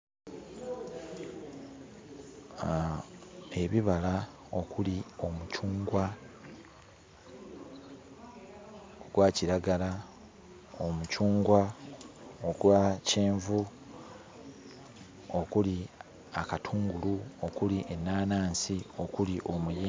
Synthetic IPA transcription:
e̞βiβala | okulio̞mucuːŋɡwa | oɡwaːciɾaɡala | omucuːŋɡwa | oɡwaceːɱvu | okuli | akatʰuːŋɡuluokuliʔenːaːnaːnsio̞kuliʔo̞muje

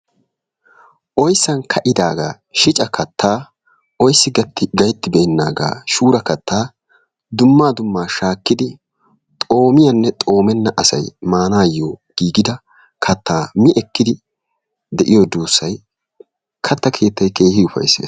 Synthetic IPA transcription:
ʔɔjsːɐnkʰɐʔɪd̪aːɡa̰ː | ʃɪt͡ʃʼɐkʰɐt̪ːaː | ɔjsːɪɡɐt̪ːɪɡɐjt̪ːɪbɛɛnːa̰ːɡa̰ːʃuːɾɐkɐt̪ʰːaː | d̪ʊmːaːd̪ʊmːaːʃaːkːɪd̪ɪ | t̪ʼo̞ːmɪjɐnːɛt̪ʼo̞ːmɛnːɐʔɐsɐ̰jmaːnaːjːoːɡ̥iːɡɪd̪ɐ | kʰɐt̪ʰːaːmɪʔɛkːɪd̪ɪ | d̪ɛʔɪjɔd̪uːsːɐj | kʰɐt̪ːɐkʰe̞ːt̪ʰːɐjke̞ːhɪʊfɐ̰jsːḛː

